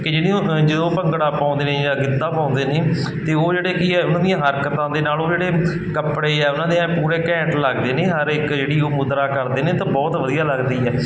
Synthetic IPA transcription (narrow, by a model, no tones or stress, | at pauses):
kɪd͡ʒɪɽĩːoːd͡ʒəd̪õːpəŋɡɽaːpãːʊ̃nd̪eːnẽːd͡ʒaːɡɪd̪ːãːpãːʊ̃nd̪eːneː | t̪eːoːd͡ʒeːɽeːkiɛːʊnãːd̪ijãːɦəɾkət̪ãːd̪eːnaːloːd͡ʒeːɽeː | kəpɽeːɛːʊnãːd̪iãːpuːɾeːkɛ̃ːɳʈləɡd̪eːneːɦəɾɪkd͡ʒeːɽiːoːmʊd̪ɾaːkəɾd̪eːnẽːt̪ãːbɔːt̪ʋəd̪ijaːləɡd̪iːɛː